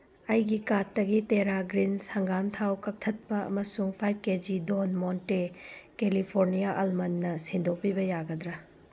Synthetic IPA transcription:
ɐjɡikatːɐɡiteɾaɡɾinsɐŋɡamtʰawkɐk̚tʰɐt̚pɐɐ̰mɐsuŋpʰajb̚ked͡ʒidonmontekelipʰoɾnijaʔɐlmɐnːɐsindʱok̚pibɐjaɡɐdɾɐ

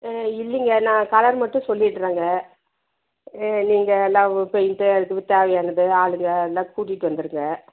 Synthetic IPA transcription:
ɪlːɪŋɡɐnãːkɐlɐɾmɐʈːʊ̃sɔlːɪɪʈːɾaːŋɡɐ | niːŋɡɐːlːãːpɛjnʈ̪ɯɛðɯkːɯʋt̪eːʋɛjaːnɐðɯaːɭɯŋɡɐːlːãːkuːʈ̬ːiʈːɯʋɐnd̪ɯɾɯŋɡɐ

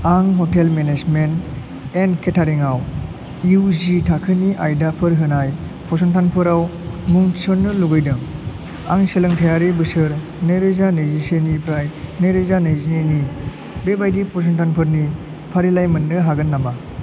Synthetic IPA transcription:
aŋɦɔtelmenezment | enkʰetʰaɾiŋaw | iuzitʰakʰɯniʔajdapʰɯɾɦɯnaj | pʰɔsɔntʰanpʰɯɾawmuŋsɔnːɯluɡɯjdɯŋ | aŋselɯŋtʰajaɾibɯsɯɾ | neɾɯzanɯzisenipʰɾajneɾezanɯjzineni | bebajdipʰɔs̬ɔntʰanpʰɯɾni | pʰaɾilajmɯnːɯɦaɡɯnːama

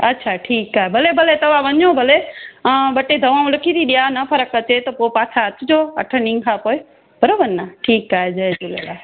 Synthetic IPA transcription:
ətːʃʰaːʈʰiːkaːɦebʱəlebʱəlet̪ɐʋaʋəɲõːbʱəle | ɓəʈed̪ʱəʋãũləkʰiːt̪iɗijanəpʰəɾəkət͡ʃet̪ɐpopaːt͡ʃʰaət̪ʰd͡ʒoːə̰ʈʰənĩŋkʰapoːj | b̥əɾoʋənnːaʈʰiːkaːɦed͡ʒəed͡ʒulelaː

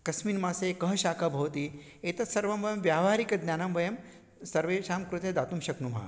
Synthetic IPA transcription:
kɐsmiːnmaːseːkɐɦɐʃaːkʰabʱɐʋɐt̪iː | eːt̪ɐt̪sɐɾʋɐmʋɐjɐmʋjaːʋʱaːɾikɐd̪njaːnɐmʋɐjɐm | sɐɾʋeːʃaːmkɾut̪ed̪aːt̪umʃɐknumʱa̰ː

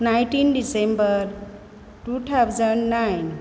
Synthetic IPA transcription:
nãjʈinɖisembəɾ | ʈuʈʰawd͡zənnajn

